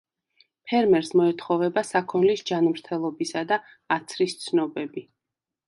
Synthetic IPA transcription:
pʰɛɾmɛɾsmɔɛt̪ʰχɔvɛbasakʰɔnlisd͡ʒanmɾt̪ʰɛlˠɔbisad̪a | at̪sʰɾist̪sʰnɔbɛbi

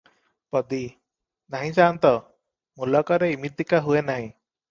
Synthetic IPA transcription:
pɔd̪i | naɦĩsaːnt̪ɔ | mulɔkɔɾeimit̪̚d̪ikaɦuenaɦĩ

